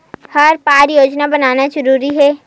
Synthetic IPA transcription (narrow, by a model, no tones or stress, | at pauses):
hɐɾpaːɾjoːd͡ʒnabɐnaːnad͡ʒɐɾuːɾiɦɛː